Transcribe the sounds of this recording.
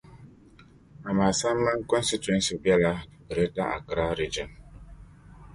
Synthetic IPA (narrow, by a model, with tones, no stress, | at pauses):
a˨ma˨sa˦m˦ma˦ŋ˦kɔ˦nsi˦tɛ˦nsi˨bja˦la˦bə˨ɾe˦da˦ʔa̰˨kɾa˦ɾi˦d͡ʒi˨m